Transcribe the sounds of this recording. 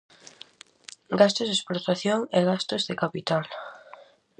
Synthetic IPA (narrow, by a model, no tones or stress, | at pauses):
ɡast̪ʊzðesplot̪aθjoŋeɣast̪ʊzðekapit̪al